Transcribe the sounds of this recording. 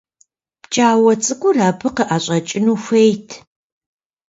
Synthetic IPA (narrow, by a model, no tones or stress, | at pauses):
pt͡ʃʼaːwɐt͡sʼɨkʷʼʊraːpʰɨqəʔaːɕʼɐt͡ʃʼɪnuːxʷejtʰ